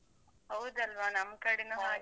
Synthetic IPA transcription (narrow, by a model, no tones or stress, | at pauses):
ɦɐwd̪ɐlʋaːnɐmkɐɽinuɦaː